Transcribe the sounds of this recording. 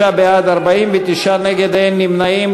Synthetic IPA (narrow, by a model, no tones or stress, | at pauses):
abead̪ɐɾbaiːmbit̪iʃaneɡed̪enːimnaim